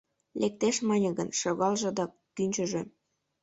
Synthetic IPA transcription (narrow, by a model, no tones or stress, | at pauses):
lʔek̚t̪eʃmɑnʲəɣənʃɤɣɑlʒɤ̆d̪ɑ | t̪ynʲt͡ɕə̆ʒe